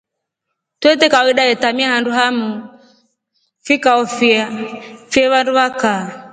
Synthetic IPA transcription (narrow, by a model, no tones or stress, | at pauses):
twɛtɛkawiɗajɛtamiahanduɦamu | fikaɔfiafiɛβanduβaka